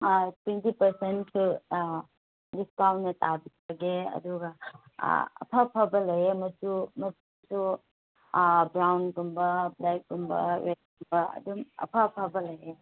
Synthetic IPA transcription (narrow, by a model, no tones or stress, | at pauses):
twentipɐɾsenkʰu | lis̚kawnːɐtabit̚ʰbɐɡeɐ̰duɡɐ̰ | ɐ̰pʰapʰɐbɐlɐjemɐtumɐtusu | bɾawnɡumbɐblak̚ɡumbɐ̰ɾet̚ɡumbɐɐ̰dumɐ̰pʰapʰɐbɐlɐje